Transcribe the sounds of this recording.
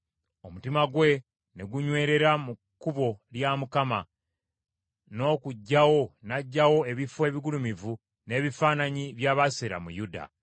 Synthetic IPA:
o̞mutimaɡwe̞ | ne̞ɡuɲwe̞ːɾe̞ɾamukːuβo̞ljamukama | no̞ːkuɟːawo̞naɟːawo̞e̞βifwe̞ːβiɡulumivu | ne̞ːβifaːnaɲiβjaːβaseɾa̰mṵjuda̰

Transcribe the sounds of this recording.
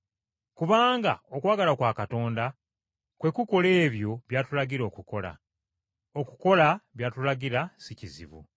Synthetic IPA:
kuβaːŋɡa̰o̞kwaːɡalakwaːkato̞ːnda | kwe̞kuko̞le̞ːβjo̞βjaːtulaɟiɾo̞ːkuko̞la̰ | oku̥ko̞laβjaːtulaɡiɾasicizḭβṵ

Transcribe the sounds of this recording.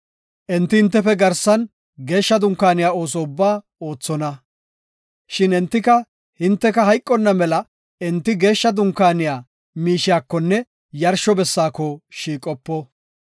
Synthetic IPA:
ʔɛnt̪ːɪhɪnt̪ːɛfɛɡɐɾsɐn | ɡe̞ːʃːɐd̪ʊŋkːaːnɪjaːo̞ːs̬ɔʊbːaː | o̞ːt͡sːɔnɐ | ʃɪnɛnt̪ːɪkɐ | hɪnt̪ːɛkɐhɐjkʼːɔnːɐmɛlɐ | ɛnt̪ːɪɡe̞ːʃːɐd̪ʊŋkːaːnɪjaː | miːʃɪjaːkːɔnːɛ | jɐɾʃɔbɛsːaːkɔʃiːkʼɔpːɔ

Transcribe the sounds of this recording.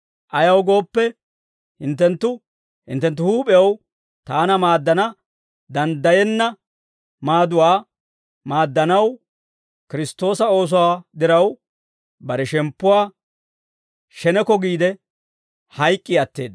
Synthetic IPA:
ʔɐjɐwɡo̞ːpːɛ | hɪnt̪ːɛnt̪ːʊ | hɪ̰nt̪ːɛnt̪̬ːʊhuːpʼɪjɐw | t̪aːnɐmaːd̪ːɐnɐ | d̪ɐnd̪ɐjɛnːɐ | maːd̪ʊwaː | maːd̪ːɐnɐw | kɪɾɪst̪ːo̞ːsɐo̞ːs̬ʊwaːd̪ɪɾɐw | bɐɾɛʃɛmpːʊwaː | ʃɛnɛkɔɡiːd̪ɛ | hɐjkʼːɪɐt̪ːe̞̰ːd̪

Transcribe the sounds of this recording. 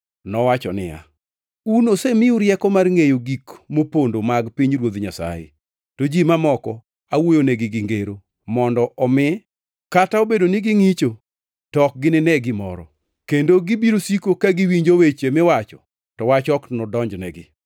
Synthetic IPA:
nɔwat͡ʃɔnɪ̰ja̰ | unosemɪuɾjɛkɔmarŋejoɡikmopondomaɡpiɲɾwod̪ɲasa̰jḛ | tod͡ʒimamɔkɔ | awojonɛɡɪɡɪŋɡeɾo | mɔndɔʔɔmɪ | kataobedonɪɡɪŋit͡ʃo | tɔk̚ɡɪnɪnɛɡɪmɔ̰ɾɔ̰ | kendoɡibiɾosikokaɡiwiɲd͡ʒowet͡ʃemɪwat͡ʃɔ | tɔwat͡ʃɔknɔdɔɲd͡ʒnɛɡɪ̰

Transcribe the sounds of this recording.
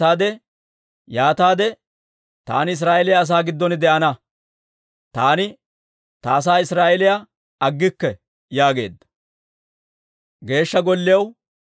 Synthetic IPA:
aːd̪ɛ | jaːt̪aːd̪ɛ | t̪a̰ːnɪɪs̬ɾaːʔɛlɪjaːs̬aːɡɪd̪ːɔnɪd̪ɛʔɐnɐ | t̪aːnɪ | t̪aːs̬aːɪsɾaːʔɛlɪja | ɐɡːɪkːɛ | jaːɡe̞̰ːd̪ːɐ̥ | ɡe̞ːʃːɐɡɔlːɪjɐw

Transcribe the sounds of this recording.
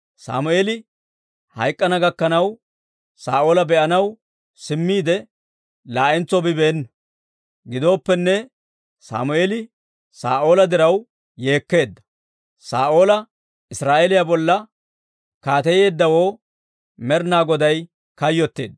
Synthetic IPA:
sa̰ːmʊʔeːlɪ | hɐjkʼːɐnɐɡɐkːɐnɐw | sa̰ːʔo̞ːlɐbɛʔɐnɐw | sɪmːiːd̪ɛ | laːʔɪnt͡sɔbɪbeːnːɐ | ɡɪd̪o̞ːpːɛnːɛ | sa̰ːmʊʔe̞ːlɪ | sa̰ːʔo̞ːlɐd̪ɪɾɐw | je̞ːkːe̞ːd̪ːɐ̥ | sa̰ːʔo̞ːlɐ | ɪsɾaːʔelɪjabɔlːɐ | kaːt̪ɛjeːd̪ːɐwoː | mɛɾnaːɡɔd̪ɐj | kɐjːɔt̪ːe̞̰ːd̪ː

